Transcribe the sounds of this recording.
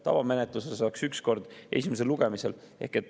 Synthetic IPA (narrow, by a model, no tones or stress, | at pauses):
t̪ɑ̰v̥ɑme̞net̪lusesɑksyksko̞rd̪̥e̞̰sʲimes̬e̞lːuɡ̥e̞mise̞l | e̞hke̞t̪ːˑ